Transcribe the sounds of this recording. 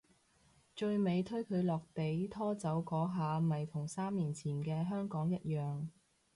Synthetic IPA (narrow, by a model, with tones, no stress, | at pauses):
t͡ʃɵ˧ɥme˨˧jt̪ʰɵ˥ɥkʰɵ˨˧ɥlɔː˨˩k̚p̪e˨˥jt̪ʰɔː˥t͡sɐ˨˥wkɔː˨˥ɦaː˨˧mɐ˨jt̪ʰʊ˨˩ŋsaː˥mliː˨˩nt͡sʰiː˨˩nkɛː˧ɦœː˥ŋkɔː˨˥ŋjɐ˥t̚jœː˨ŋ